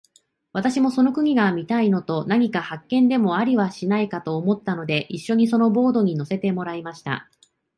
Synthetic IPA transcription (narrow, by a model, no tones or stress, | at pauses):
β̞at̪aɕimo̞so̞no̞kɯ̟ɲ̟iɡamʲit̪aino̞t̪o̞naɲ̟ikahakːẽ̞nd̪e̞mo̞aɾʲiβaɕinaikat̪o̞ːmo̞t̪ːano̞d̪e̞ʔiɕːo̞ɲ̟iso̞no̞bo̞ːd̪o̞ɲ̟ino̞se̞t̪e̞mo̞ɾaimaɕi̥t̪a̰